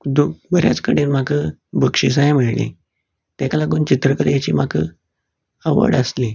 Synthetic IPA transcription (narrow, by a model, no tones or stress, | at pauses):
d̪ubəɾja̰t͡skəɽenm̤akʰəbʱəkʂis̬aɦemiɭlḭ | t̪ɛkalaɡuːnt͡ɕit̪ɾəkəɾjat͡ɕiːmakʰə | əʋə̰ɽəsli